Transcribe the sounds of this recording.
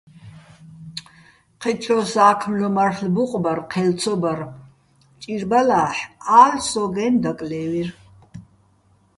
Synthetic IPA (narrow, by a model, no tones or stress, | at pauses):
qʰɛt͡ʃʰɔsaːkʰmlɔmaɾlbuqʼbaɾqʰɛlt̪t͡sʰɔbaɾ | t͡ʃʼiɾbalaːħaːlsɔɡɛnd̪akʼlɛːwiɾ